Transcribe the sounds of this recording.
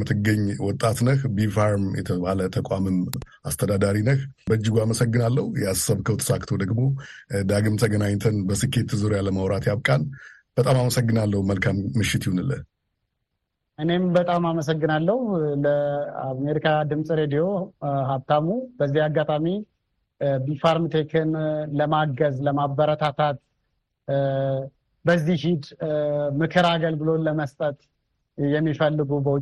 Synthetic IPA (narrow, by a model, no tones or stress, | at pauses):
mɨt̪ʰɨɡəɲːwɔt̪ʼːat̪nəxbifaɾmjɛ̰t̪ʰəβalət̪ʰəkʼamɨm | ast̪ʰəd̪ad̪aɾinəxbəd͡ʒːɪɡuaməsəɡːɨnalːəhujɛassəβkʰəwt̪ʰə̥sakt̪ʰo̞d̪əɡbod̪aɡɨmt̪ʰəɡənaɲt̪ʰənbəsɨkʰːe̞t̪ːɨzuɾjaləməwɾat̪jaβkʼan | b̥ət̪ʼamaməsəɡːɨnalːəhuməlkʰamːɨʃːɪt̪ʰjihunɨlːə | ʔɨne̞mbət̪ʼamaməs̬əɡːɨnalːəhuləame̞ɾikʰad̪ɨmsʼɾe̞d̪ijo̞ɦaβt̪ʰamubəzːihaɡːat̪ʼami | bifaɾmt̪ʰekʰɨnləmaɡəzləmabəɾət̪ʰat̪ʰat̪ | bəzːihid̪mɨkʰɨɾaɡəlɡɨlo̞ləməst̪ʼət̪ | jɛmːifəlːɨɡubəwʊ